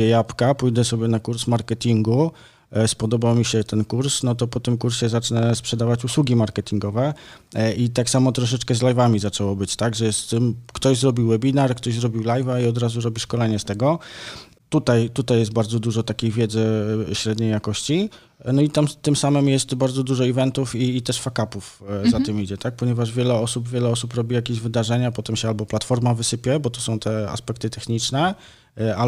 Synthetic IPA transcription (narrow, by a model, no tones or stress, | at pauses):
ɛjapkapujd̪ɛsɔbʲjɛnakuɾsmaɾkɛt̪ʲiŋɡu | spɔd̪ɔbawmʲiɕɛt̪ɛnkuɾsnɔt̪ɔpɔt̪ɘmkuɾɕɛzat͡ʂnɛspʂɛd̪avat͡ɕuswuɡʲimaɾkɛt̪ʲiŋɡɔvɛ | it̪aksamɔt̪ɾɔʂ̬ɛt͡ʂkɛzlajvamʲizat͡ʂɛwɔbɘt͡ɕt̪aɡʐɛjɛst̪ːɘmkt̪ɔʑzɾɔbʲiwːɛbʲinaɾkt̪ɔʑzɾɔbʲiwlajvaiɔd̪ɾazuɾɔbʲiʂkɔlɛɲɛst̪ɛɡɔ | t̪ut̪ajt̪ut̪ajɛst̪baɾd̪zɔd̪uʐɔt̪akʲejvʲjɛd̪zɘɕɾɛd̪ɲejakɔɕt͡ɕi | nɔit̪amt̪ːɘmsamɘmjɛst̪baɾd̪zɔd̪uʐɔivɛnt̪ufiːt̪ɛʂfakapufzat̪ɘmid͡ʑɛt̪ak̚pɔɲɛvaʐvʲjɛlɛɔsubvʲjɛlɛɔsupɾɔbʲijakʲeʑvɘd̪aʐɛɲapɔt̪ɛmɕɛalbɔplat̪fɔɾmavɘsɘpʲjɛbɔt̪ɔsɔ̃w̃t̪ɛa̰spɛk̚t̪ɘt̪ɛxɲit͡ʂnɛ | a